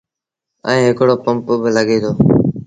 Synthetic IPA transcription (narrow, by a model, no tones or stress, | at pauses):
ə̃ːɦɪkɽoːpəmpbɪləɠeːd̪oː